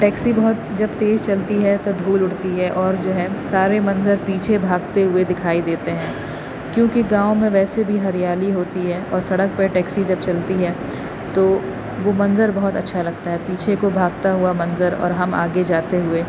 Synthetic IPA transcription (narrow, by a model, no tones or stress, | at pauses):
ʈɛːksibɐɦʊt̪d͡ʒɐbt̪eːzt͡ʃɐlt̪iɦɛt̪od̪ʱuːlʊʈt̪iɦɛʔɔːɾd͡ʒoːɦɛsaːɾemɐ̃nzəɾpiːt͡ʃʰebʱaːɡt̪eɦʊed̪ɪkʰaːid̪eːt̪eɦɛ̃ː | kjõːkiɡãːõmẽʋɛːsebʱiɦɐɾijaːliɦoːt̪iɦɛːʔɔːɾsɐɽək̚peʈɛːksid͡ʒɐbt͡ʃɐlt̪iɦɛː | t̪oː | ʋomɐ̃nzəɾbɐɦʊt̪ɐtːʃʰalɐɡ̚t̪aɦɛpiːt͡ʃʰekobʱaːɡ̚t̪aɦʊamɐ̃nzəɾɔ̰ːɾɦɐma̰ːɡed͡ʒaːt̪eɦʊeː